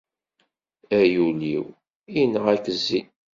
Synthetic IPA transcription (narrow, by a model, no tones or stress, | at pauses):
æjuliw | ijnːəʁækəzːi